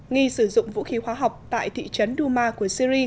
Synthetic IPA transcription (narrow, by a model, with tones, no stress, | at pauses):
ŋi˧sɨ˧˩zʊ̰˧˨ŋ͡mvṵ˧˥xi˨˦hwaː˨˦ɦa˨˩wk͡p̚t̪a̰ː˧˨jt̪ʰḭ˧˨t͡ɕə˨˦nɗu˧maː˧ku˧˩əsi˧ɾi˧